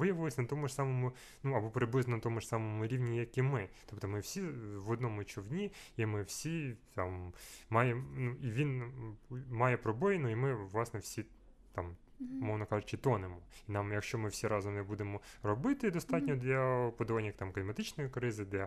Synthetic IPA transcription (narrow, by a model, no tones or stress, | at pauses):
ʋɪjɐʋɪlˠɔsʲɐnɐt̪ɔmʊʂsɑmɔmʊ | nuɐbɔpɾɪblɪznɔnɐt̪ɔmʊʂsɑmɔmʊɾʲiʋnʲijjɐkʲimɪt̪ɔp̚t̪ɔmɪwsʲiʋɔd̪nɔmʊt͡ʃɔʋnʲiimɪwsʲit̪ɑmmɑjenuiʋʲin | mɑjɛpɾɔbɔjɪnuimɪʋlˠɑsnɛwsʲi | t̪ɑm | mɔʋnɐkɑʒʊt͡ʃɪt̪ɔnemɔinɑmjɐkʃt͡ʃɔmɪwsʲiɾɑzɔmnɛbud̪emɔrɔbɪt̪ɪd̪ɔst̪ɑtʲnʲɔd̪lʲɐpɔd̪ɔʋɑnʲːɐt̪ɑmklʲɪmɐt̪ɪt͡ʃnɔjikɾɪzɪd̪ɛ